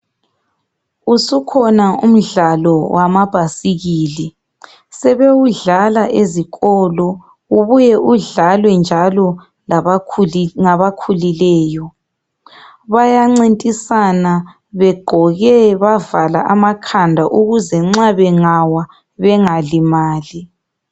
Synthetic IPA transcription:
usukʰɔnaum̩ɮalɔwamab̥ʱasiɣiːli | sɛβewuɮalaʔeziɣɔlɔ | uβujɛʔuɮalwɛnd͡ʒʱalɔ | laβ | ŋaβakʰulilɛːjɔ | βajaŋ͡ǀintʼisana | βɛɡ͡ǃʱɔɣɛβavala̰ʔamakʰandʱaʔuɣuzɛŋ͡ǁaβɛŋawa | βɛŋalimaːli

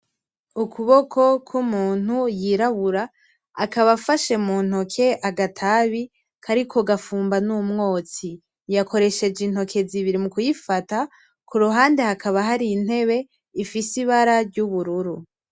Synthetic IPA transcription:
ukʰuβo̞kʰo̞kʰumuːn̥hujiɾaβuɾaː | kaβafaʃe̞muːn̥ho̞kʰe̞ʔaɡatʰaβi | kʰaɾikʰo̞ɡafuːmbanumŋo̞ːt͡si | jako̞ɾe̞ʃe̞d͡ʒinho̞kʰe̞ziβiɾimukujifata | kʰuɾuɦaːnde̞hakaβaɦaɾiːn̥e̞βe̞ | ifisiβaɾaɾɟuβuɾuɾu

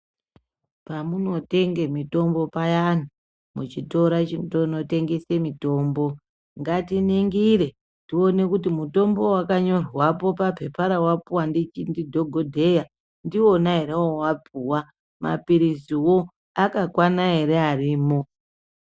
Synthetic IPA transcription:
pamuno̞te̞ŋɡe̞mito̞mbo̞pajan̤a | mut͡ʃito̞ɾat͡ʃintono̞te̞ŋɡese̞mito̞ːmbo̞ | ŋɡatiniŋɡiɾe̞ | ndio̞ne̞kutimuto̞mbo̞wakaɲo̞rwapo̞papʰe̞pʰaɾawapuwandit͡ʃindidʱo̞ɡʱodʱe̞ja | ndio̞naɦe̞ɾewowapuwa | ma̰piɾisiwo̞ | akakwanaɦe̞ɾe̞ariːmo̞

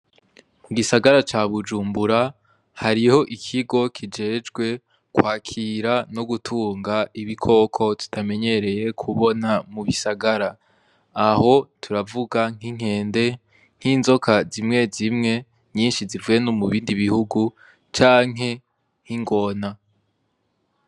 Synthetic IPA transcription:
muɡisaɡaɾat͡ʃaːβud͡ʒuːmbuɾa | haɾiho̞ʔikʰiɡo̞kʰid͡ʒe̞ːd͡ʒɡwe̞ | kwaːkʰiɾanoɡutʰuːŋɡaiβikʰo̞ːkʰo̞tu̥tʰame̞ɲe̞ɾe̞je̞kʰuβo̞namuβisaɡaɾaː | ho̞tʰuɾavuɡaŋ̥iŋ̥e̞ːnde̞ | ŋ̥hiːnzo̞kʰazimŋe̞zimŋe̞ | ɲiːnʃizivujenomuβiːndiβihuɡu | t͡ʃaːŋ̥ɦe̞ | ŋ̥iŋɡo̞na

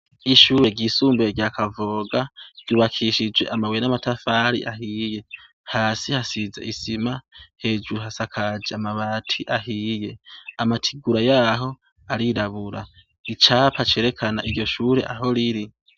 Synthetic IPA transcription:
iʃuːɾe̞ɡɟiːsuːmbeɾjakavoːɡaɡ̥juβakʰiʃid͡ʒwe̞̰ʔamawenamatafaɾḭʔaɦiːje̞ | haːsihasizḛʔisimahe̞ːd͡ʒuɾuɦasakʰad͡ʒeamaβaːtʰiʔaɦije̞amatʰiɡuɾajaːɦo̞ | aɾiɾaβuɾa | it͡ʃaːpʰat͡ʃe̞ːɾe̞kʰana̰ʔiɾɟo̞ʃuːɾe̞ʔaɦo̞ɾiɾi

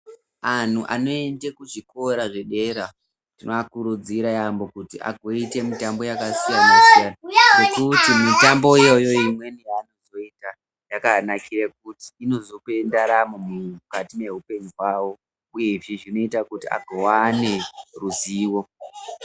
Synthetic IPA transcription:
an̤uʔa̰no̞e̞ndekuʐiko̞ɾaʐe̞ɗe̞ɾa | tinoakuɾud͡ziɾajambo̞kutiʔa̰ɡʱo̞ite̞mitambo̞jakasijanasijananekutimitambo̞ijo̞joimwe̞nijaːno̞zo̞ita | jakanakʰirek̚uti̥ːno̞zope̞ndaɾamomukatine̞ɦupe̞ɲuɦwaːwo̞ | uje̞ʐiʐino̞itakutia̰ɡʱowane̞ruziːwo̞

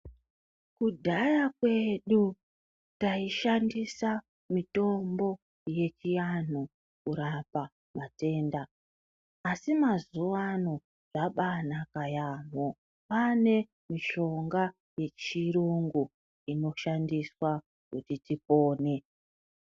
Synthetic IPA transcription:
kudʱajakwe̞ɗu | taiʃandisa | mito̞mbo̞ | je̞t͡ʃijan̤u | kuɾapa | mate̞ːndaː | simazuʋano | ʐaɓanakajaːmo | pane̞ | miʃo̞ŋɡa | je̞t͡ʃiruŋɡu | ino̞ʃandiswa | kutitipo̞ːne̞

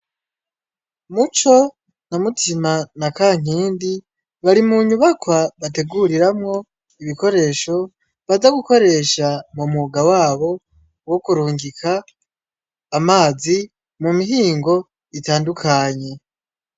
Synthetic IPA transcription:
mut͡ʃo̞ | namutʰimanakaːŋ̥iːndi | βaɾimuɲuβakwaβate̞ɡuɾiɾamŋo̞ | iβiko̞ɾe̞ːʃo̞ | βazaɡuko̞ɾe̞ʃamumuɡawaːβo̞ | wo̞kuɾuːŋɡikʰa | maːzi | mumiɦiːŋɡo̞ | itaːndukʰaɲe̞

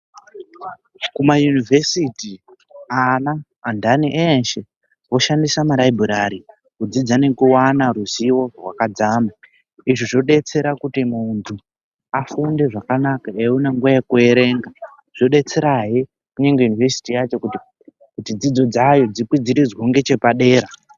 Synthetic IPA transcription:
kumajunivesiti | anaː | ndaniʔenʃe | wo̞ʃandisamalaibʱuɾaɾi | kud͡zid͡zane̞kuwanaɾuziwo̞rwakad͡zama | iʐiʐo̞ɗe̞t͡se̞ɾakutimuntʰu | afunde̞ʐakanakaeunaŋɡujekue̞ɾe̞ŋɡa | ʐ̥o̞ɗe̞t͡se̞ɾaɦi | kuɲe̞ŋɡe̞junivesi̥tijat͡ʃo̞k | kutid͡zid͡zo̞d͡zajo̞d͡zipwid͡ziɾid͡zwoŋɡe̞t͡ʃe̞paɗe̞ːɾa

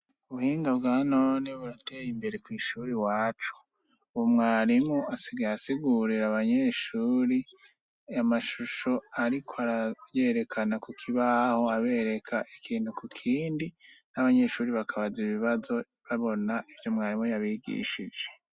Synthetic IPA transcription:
uβuhiːŋɡaβɡaːnoːniβuɾate̞ːjimbe̞ɾe̞kwiːʃuːɾiwaːt͡ʃu̥ | uwomŋaːɾimŋoʔasiɡajasiɡuɾiɾaβaɲeʃuːɾi | amaʃuʃo̞aɾikʰoaɾaje̞ːɾe̞kʰanakukʰiβahoaβe̞ːɾe̞kʰaʔikʰiːnhukukʰiːndinaβaɲe̞ʃuːɾiβakʰaβaziβiβazo̞ | βaβo̞naʔivjo̞mŋaːɾimojaβiɡḭːʃid͡ʒe̞̥

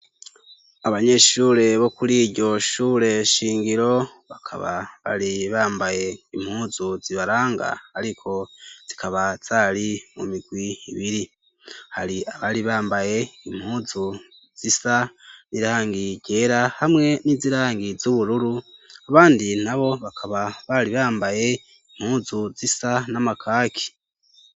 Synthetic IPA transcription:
aβaɲe̞ʃuːɾe̞βo̞kuliɟo̞ʃuːɾe̞ʃiːŋɡiɾo̞βakʰa̰βa̰βa̰ɾiβaːmbaje̞im̥huːzuziβaɾaːŋɡa̰haɾikʰo̞z̥ikʰaβaz̥aːlimumiɡ̥wiiβiɾi | haɾiʔaβaliβaːmbaje̞im̥huːzu | z̥isaniɾaːŋɡiɟe̞ːɾahamŋe̞niziɾaːŋɡizuβuɾuɾuaβaːndinaβo̞βakʰaβaβaliβaːmbaje | im̥huːzuzisanamakʰaːkʰi̥

